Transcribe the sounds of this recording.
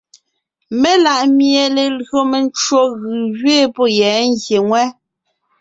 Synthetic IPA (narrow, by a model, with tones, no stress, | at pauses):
me˦la˨ʔmje˨le˨lɣo˨me˨n˦t͡ʃwo˦ɣɯ˨ɣɥeː˦˨pɔ˦jɛː˨˦ŋ̩ɡje˨ŋwɛ˦